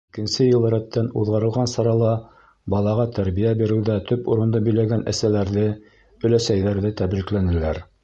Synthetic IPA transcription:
ikɘ̆nsɘjɤ̆lˠɤɾæt̪ːænṵðʁɑɾɤ̆lˠʁɑnsɑɾɑlˠɑ | bɑlˠɑʁɑt̪æɾbijæbiɾɘ̆wðæt̪ɵpuɾɤ̆nd̪ɤbɵ̆jlæɡænʔæ̰sælæɾðɘ | ɵ̆læsæjðæɾðɘt̪æbɾiklænɘ̆læɾ

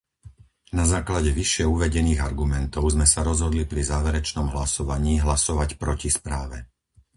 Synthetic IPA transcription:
nazaːklaɟɛʋiʃɪɛuʋɛɟɛniːɣaɾɡumɛnt̪ɔʊzmɛsaɾɔzɦɔd̪lipɾizaːʋɛɾɛt͡ʃnɔmɦlasɔʋaɲiːɦlasɔʋacpɾɔcispɾaːʋɛ

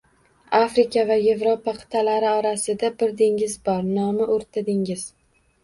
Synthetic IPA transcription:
afɾɪkʲʰavaje̞vɾopaqʰɨ̥t̪ʰalaɾɪɒɾasɪd̪abɪɾd̪eŋɪzbɒɾnɒmɪʔoɾt̪ʰad̪ɪŋɪz̥

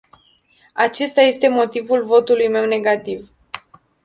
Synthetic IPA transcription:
at͡ʃe̞st̪aje̞st̪e̞mo̞t̪ivulvo̞t̪ulujme̞wne̞ɡat̪iv

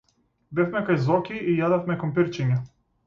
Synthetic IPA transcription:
bɛfmɛkajzɔkʲiʔːjad̪afmɛkɔmpiɾt͡ʃiɲa

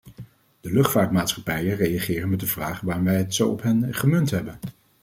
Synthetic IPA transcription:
d̥əlɵχtfaːɹtmaːtsχɑpɛjərejaχɪːrənmɛt̚dəvraːχəʋaːʋɛjətsowɔpɦɛnχəmɵntɦɛbən

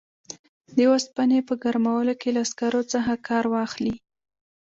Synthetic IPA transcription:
d̪əwaspanepəɡaɾmawəlokelaːskaɾot͡səxakʰɑɾwɑxli

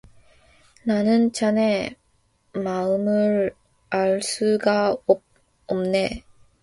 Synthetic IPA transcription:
nanɯnt͡ɕane | maɯmɯɾ | aɭs͈uɡaob̚ | ʌmne̞

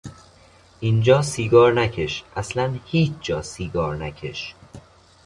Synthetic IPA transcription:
ʔind͡ʒɒːsiːɡɒːɾnæcʰeʃʔæslænhiːt͡ʃʰd͡ʒɒːsiːɡɒːɾnæcʰe̞ʃ

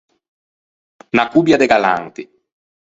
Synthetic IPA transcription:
nakubjad̪ɛɡala̰ŋt̪i

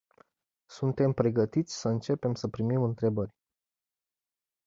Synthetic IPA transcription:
sunt̪e̞mpɾe̞ɡət̪it̪sʲsəɨnt͡ʃe̞pe̞msəpɾimimɨnt̪ɾe̞bərʲ

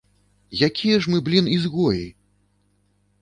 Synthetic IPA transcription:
jakʲʰijɐʐmɨblʲinizɣɔjḭ

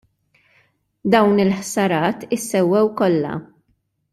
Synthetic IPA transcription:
d̪ɐwnɪlħsɐɾɐːt̪ɪsːɛwːɛwkɔlːɐ̰

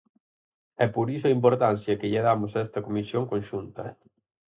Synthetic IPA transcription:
ɛpoɾisʊɐimpoɾt̪an̟θjɐkɪʎeðamʊsaɛst̪ɐkomisjoŋkõnʃunt̪ɐ

